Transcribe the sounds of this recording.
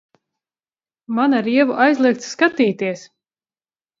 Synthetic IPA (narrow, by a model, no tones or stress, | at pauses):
manaɾiɛvuʔajzlˠiɛk̚t̪sːkat̪iːt̪iɛs